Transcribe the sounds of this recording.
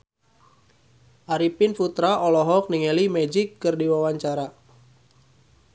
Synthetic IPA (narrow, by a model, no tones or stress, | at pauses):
ʔaɾipinfut̪ɾaʔɔlɔɦɔk̚niŋɛlimɛd͡ʒikːɨrdiwawaɲt͡ʃaɾa